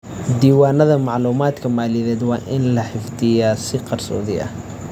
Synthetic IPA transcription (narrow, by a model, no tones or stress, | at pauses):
d̪iːwaːnɐðɐmɑʕluːmaːd̪kʰɐmaːlɪðɛːd̪wɑːʔɪnlɐħɪfd̪ɪjaːsɪqɑrsɔ̰ːðɪʔɐ̰h